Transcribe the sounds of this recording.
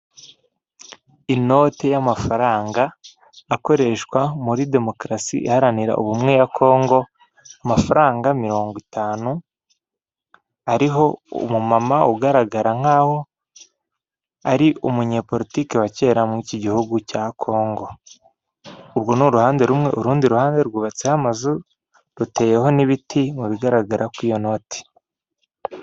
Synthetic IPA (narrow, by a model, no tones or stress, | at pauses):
ino̞ːte̞jamafaɾaːŋɡaː | ko̞ɾe̞ʃkwamuɾide̞mo̞kɾasḭʔihaɾaniɾa̰ʔṵβumŋejakʰo̞ːŋɡo̞ | amafaɾaːŋɡamiɾo̞ːŋɡwitaːnu | aɾiɦo̞ṵmumamauɡaɾaɡaɾaŋ̥haːho̞ | aɾiʔumuɲe̞ːpo̞ɾitiːkewace̞ːɾamŋiːciɟihuɡucakʰo̞ːŋɡo̞ | uɾɡo̞nuɾuhaːnde̞ɾumŋe̞ʔuɾuːndiɾuhaːnde̞ɾɡuβat͡sehamazu | ɾute̞ːje̞ho̞niβitʰimuβiɡaɾaɡaɾʔakwijo̞no̞ːtʰi̥